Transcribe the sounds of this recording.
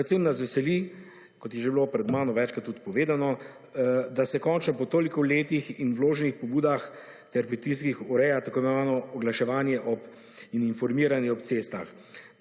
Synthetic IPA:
ɛt̪sennasʋɛsɛli | kɔt̪jɛʒebilopɾɛd̪maːnɔʋɛt͡ʃkat̪ːut̪pɔʋeːd̪anɔ | d̪asɛkɔnt͡ʃnɔpɔt̪oːlikɔleːt̪ixinwloːʒɛnixpɔbuːd̪ax | t̪ɛɾpɾit̪iskixɔɾɛjat̪akoːjmaaːnɔɔɡlaʃɛʋaːnjɛʔɔp | ininfɔɾmiɾanjɛɔpt̪seːst̪a̰x

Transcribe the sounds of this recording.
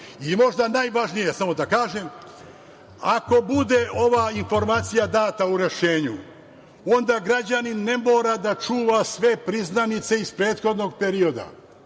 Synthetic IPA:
imo̞ʒd̪anajʋaʒnijesamo̞d̪akaːʒem | ako̞bud̪e̞ʔo̞ʋaːinfo̞ɾmaːt̪sijad̪aːt̪auɾe̞ʃe̞ːɲṵ | o̞nd̪aɡɾad͡ʒaninːe̞mo̞ːɾad̪at͡ʃuːʋasʋe̞pɾiznanit̪se̞ispɾe̞ːt̪xo̞d̪no̞ɡ̚pe̞ɾio̞d̪a̰

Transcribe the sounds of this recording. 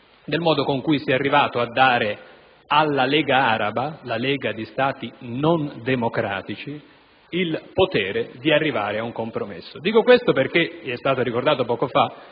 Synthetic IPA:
d̪elmɔːd̪okoŋkujsiɛarːivaːt̪oad̪ːaːɾe | alːalɛːɡaaːɾabalalɛːɡad̪ist̪aːt̪inond̪emokɾa̰ːt̪it͡ʃi | ilpot̪ɛːɾed̪iarːiva̰ːɾeauŋkompɾomḛsːod̪iːkokwest̪operkeiɛst̪aːt̪oɾikord̪aːt̪opɔːkofa

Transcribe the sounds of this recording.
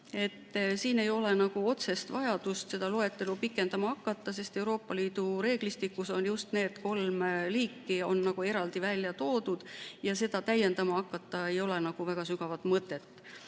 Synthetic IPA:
e̞t̪ːsiːne̞jo̞le̞nɑɡ̥uo̞t̪se̞st̪vɑjɑd̪̥ust̪se̞d̪̥ɑloe̞t̪ːˑe̞lupikːˑe̞nd̪ɑmɑɑkˑːɑt̪ːɑs̬e̞st̪e̞wɾo̞ːpːˑɑliːd̪̥uɾe̞ːɡ̥list̪ikːˑuso̞njust̪ne̞ːt̪ko̞lmliːkːio̞̰nːɑɡ̥ue̞ɾɑld̪̥ivælʲjɑt̪o̞ːd̪̥ud̪̥jɑse̞d̪̥ɑt̪æje̞nd̪ɑmɑɑkːˑɑt̪ːɑe̞jo̞le̞nɑɡ̥uvæɡ̥ɑsyɡ̥ɑvɑt̪ˑmɤt̪ːˑet̪ː

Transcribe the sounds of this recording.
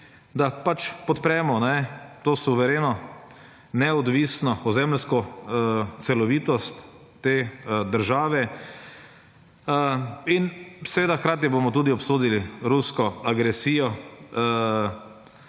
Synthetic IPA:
d̪apat͡ʃpɔt̪pɾɛmɔnɛt̪oːsuʋɛɾeːnɔ | nɛɔd̪ʋisnɔɔzɛmlskɔ | t̪sɛlɔʋiːt̪ɔst̪ː | eːd̪əɾʒaːʋɛ | insɛʋeːd̪axkɾaːt̪̬jɛbomɔt̪̬uːd̪iɔpsoːd̪iliɾuskɔaɡɾɛsiːjɔ

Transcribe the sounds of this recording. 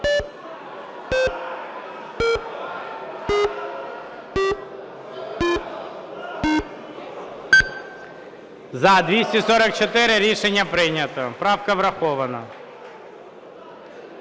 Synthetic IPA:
zɐd̪ʋʲisʲtʲisɔɾɐk̚t͡ʃɔt̪ɪɾɪɾʲiʃenʲːɐpɾɪjnʲɐt̪ɔpɾɑwkɐʋɾɐxɔʋɐnɐ

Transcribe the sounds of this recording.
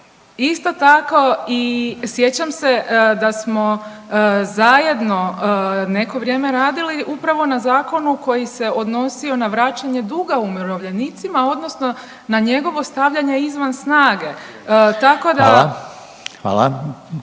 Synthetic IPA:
ist̪o̞t̪ako̞isje̞t͡ɕamse̞d̪asmo̞ | zaje̞d̪no̞ne̞ko̞ʋɾje̞ːme̞ɾaːd̪iliʔupɾaʋo̞nazaːko̞nuko̞jise̞o̞d̪no̞sio̞naʋɾat͡ɕaɲe̞d̪uɡaumiɾoʋʎe̞niːt̪simao̞d̪no̞sno̞ | naɲe̞ɡo̞ʋo̞st̪aʋʎaɲe̞izʋansnaːɡe̞ | t̪ako̞d̪a | xʋa̰ːlˠa̰

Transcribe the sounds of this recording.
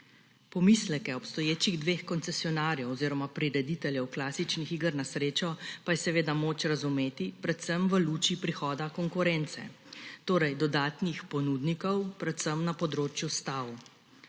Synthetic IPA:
pɔmislɛkɛɔpst̪ɔjeːt͡ʃiɣd̪ʋeːxkɔnt̪sɛsiɔnaːɾjɛwɔziːɾɔmapɾiɾɛd̪it̪ɛljɛwklaːsit͡ʃnixiːɡəɾnasɾeːt͡ʃɔpajɛsɛʋeːd̪amoːt͡ʃɾazumeːt̪ipɾɛt̪səmʋəluːt͡ʃipɾixɔːd̪akɔŋkuɾɛnt̪sɛ̰ | t̪oːɾɛjd̪ɔd̪aːt̪nixpɔnuːd̪nikɔwpɾɛt̪səmnapɔd̪ɾoːt͡ʃjust̪aw

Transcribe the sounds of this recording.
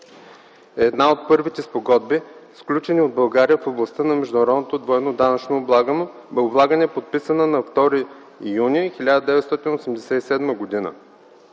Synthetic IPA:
ɛd̪naot̪̚pɤɾvit̪ɛspoɡɔd̪bisklʲut͡ʃɛniod̪̚bɐlˠɡaɾijəfoblˠɐst̪ənɐmɛʒd̪ʊnɐɾɔd̪not̪od̪voɛnod̪anət͡ʃnoːblˠaɡn | ʊblˠaɡənɛpot̪̚pisənənɐft̪ɔɾi | junixilʲad̪əd̪ɛvɛt̪st̪ɔt̪inosɛmd̪ɛsɛisɛd̪məɡod̪inə̰

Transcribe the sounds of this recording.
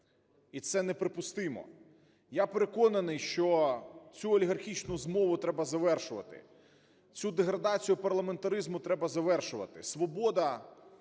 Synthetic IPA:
it̪sɛnɛpɾepʊst̪ɪmɔ̰ | japeɾekɔnɐnɪjʃt͡ʃɔt͡sʲuɐlʲiɦɐrxʲit͡ʃnʊzmɔʋʊt̪ɾɛbɐzɐʋɛrʃʊʋɐ̰t̪ɪ̰ | t͡sʲud̪eɦɾɐd̪ɑt͡sʲijʊpɐrlˠɐment̪ɐɾɪzmʊt̪ɾɛbɐzɐʋɛrʃʊʋɐ̰t̪ɪsʋɔbɔd̪ɐ

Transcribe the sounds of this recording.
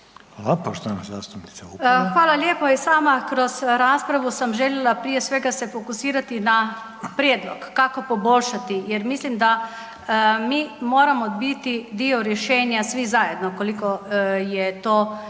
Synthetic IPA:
apaʃt̪anaza̰ːst̪upnit̪sauxʋaːlaljeːpoisaːmakɾozɾaːspɾaʋusamʒɛljɛlapɾiːjɛsʋeːɡasɛfokusiːɾat̪ina | pɾjeːd̪lokːakopobolʲʃat̪ijɛɾmislimd̪a | miːmoːɾamod̪bit̪id̪iɔɾjɛʃɛːnjasʋizaːjɛd̪nokolikojɛt̪oː

